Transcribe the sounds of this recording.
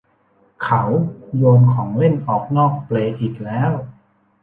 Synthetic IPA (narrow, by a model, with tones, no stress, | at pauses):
kʰa˦˥wjoː˧nkʰɔː˩˦ŋle˥˩nʔɔː˨˩k̚nɔː˥˩k̚pleː˧ʔiː˨˩k̚lɛː˦˥w